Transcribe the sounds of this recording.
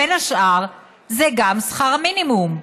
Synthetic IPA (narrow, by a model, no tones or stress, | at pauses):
enhaʃʔaʁ | zeɡamsχaʁaminimum